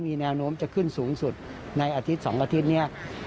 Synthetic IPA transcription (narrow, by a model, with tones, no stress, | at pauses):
miː˧nɛː˧wnoː˦˥əmt͡ɕa˨˩kʰɯ˥˩nsuː˩˦ŋsu˨˩t̪̚ | na˧jʔaː˧t̪ʰi˦˥t̪̚sɔ̰˩˦ŋʔaː˧t̪ʰi˦˥t̪̚ni˦˥˩ɐ